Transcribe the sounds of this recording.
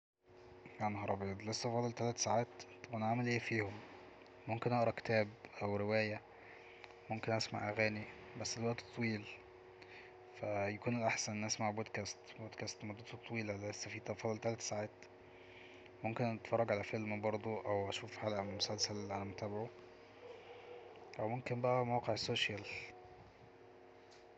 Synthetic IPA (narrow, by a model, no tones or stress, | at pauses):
anhɑɾˤɑbeːd̪lesːæfɑːd̪ˤelt̪ælæt̪saʕaːt̪t̪ːɑbʔænʕamelʔeːfiːhom | momkenʔɑʔɾˤɑke̥t̪æːbʔæwɾewæːjæ | momkenʔæsma̰ʕʔæɣæːni | bæsːd̪elwæʔt̪ːt̪ˤːwiːl | fæjækuːnelʔaħsænʔenːʔæsmaʕbod̪kæːst̪boːd̪kæːst̪mɑd̪ˤɑt̪ot̪ˤːɑwiːllæesːæfiːt̪ɑfɑd̪ˤelt̪ælæt̪saʕaːt̪ | momkenʔæt̪fɑrˤːɑɡʕalæfelmbɑɾˤd̪ˤoʔæwʔæʃuːfħalʔæmosælsælʕæ̰næmot̪æːbʕo | ʔæwmomkenbæʔæmæwqeʕsoːʃjæl